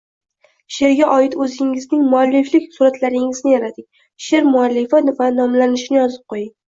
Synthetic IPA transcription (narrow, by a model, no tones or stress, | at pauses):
ʃe̞ɾɡʲaʔɒjɪt̪ɵzɪŋɪznɪŋmʊalːeflɪkʲsuɾat̪laɾɪŋɪznɪjaɾad̪ɪkʲ | ʃe̞ɾmʊalːɪfavanɒmlanɪʃɪnɪjɒzɪp̚qʰojɪŋʲ